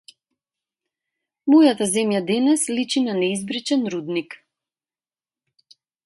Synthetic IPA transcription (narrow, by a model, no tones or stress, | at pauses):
mɔjat̪azɛmjad̪ɛnɛslit͡ʃinanɛizbɾit͡ʃɛnɾud̪nik